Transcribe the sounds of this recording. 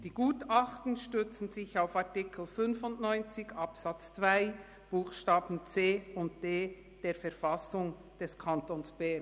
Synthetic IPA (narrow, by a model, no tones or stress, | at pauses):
d̥iːɡ̥uːtɑχtn̩ʃtʏt͡sn̩zɪçaʊfaʁtɪkʰl̩fʏnfʊntnɔʏnt͡sɪɡɑpsɑt͡st͡svaɪ | b̥uːχʃtaːbn̩t͡seːʊnt̚d̥eː | d̥eːɾfɛɐɾfɑsʊŋ | d̥ɛskʰɑntoːnsb̥ɛ